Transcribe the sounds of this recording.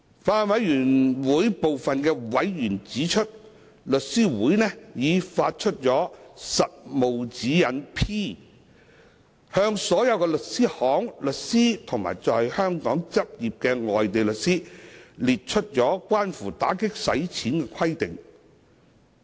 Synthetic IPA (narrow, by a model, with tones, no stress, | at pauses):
faː˧nwɐ˨˧˥jjyː˨˩nwuː˨˥jpo˨wfɐ˨nkɛː˧wɐ˨˥jjyː˨˩nt͡siː˨˥t͡ʃʰɵ˥t̚ | lɵ˨t̚siː˥wuː˨˥jnɛː˥jiː˨˧faː˧t̚t͡ʃʰɵ˥t̚t͡sɔː˨˥sɐ˨t̚mo˨wt͡siː˨˥jɐ˨˧npʰiː˥ | hœː˧ŋsɔː˨˥jɐ˨˧wkɛː˧lɵ˨t̚siː˥hɔː˨˥ŋlɵ˨t̚siː˥t̪ʰʊ˨˩ŋma̰ː˨˩jt͡sɔː˨jhœː˥ŋkɔː˨˥ŋt͡sɐ˥p̚jiː˨p̚kɛː˧ŋɔː˨jt̪e˨jlɵ˨k̚siː˥liː˨t̚t͡ʃʰɵ˥t̚t͡ʃɔː˨˥kʷaː˥nfuː˨˩t̪a̰ː˨˥kɪ˥k̚sɐ̰˨˥jt͡sʰiː˨˥nkɛː˧kʰɐ˥jt̪ɪ˨˩ŋ